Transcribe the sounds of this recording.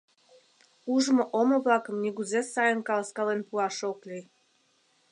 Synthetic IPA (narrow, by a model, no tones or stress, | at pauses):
uʒmŏʔomŏβlɑkə̆mnʲiɡuzesɑjənkɑlˠskɑlenpuɑʃoklʲij